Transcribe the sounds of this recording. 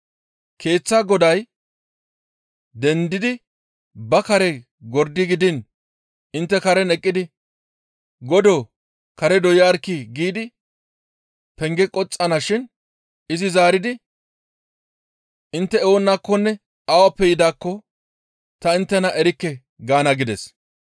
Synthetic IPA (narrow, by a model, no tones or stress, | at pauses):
kʰe̞ːt͡sːaɡɔd̪ɐj | d̪ɛnd̪ɪd̪ɪ | bɐkɐɾɛ | ɡɔɾd̪ɪɡɪd̪ɪn | ɪnt̪ːɛkɐɾɛnɛkʼːɪd̪ɪ | ɡɔd̪oː | kɐɾɛd̪ɔjaːɾkːɪɡiːd̪ɪ | pɛŋɡɛkʼɔt͡sʼːɐnɐʃɪn | ɪzɪzaːɾɪd̪ɪ | ɪnt̪ːɛɛwɔnːakːɔnːɛ | ɐwɐpːɛjɪd̪aːkːɔ | t̪ɐɪnt̪ːɛnɐʔɛɾɪkːɛ | ɡaːnɐɡɪd̪ɛs